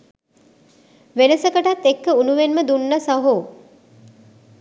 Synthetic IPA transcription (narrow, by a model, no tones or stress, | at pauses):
ʋenəsəkəʈat̪ːekːəunuʋenməd̪unːəsaɦo